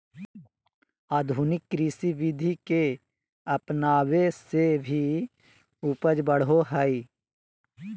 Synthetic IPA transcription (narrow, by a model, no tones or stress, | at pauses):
aːd̪ʱuːnɪkːɾisiʋɪd̪ʱike | əpnaːwesebʱi | upəd͡ʒbəɽ̤oɦəi